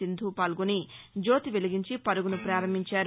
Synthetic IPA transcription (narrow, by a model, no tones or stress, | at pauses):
ind̪ʱuːpaːlɡuni | d͡ʒo̞ːt̪iʋeliɡiɲt͡ʃipɐɾuɡunupɾaːɾɐmːiɲt͡ʃaːɾ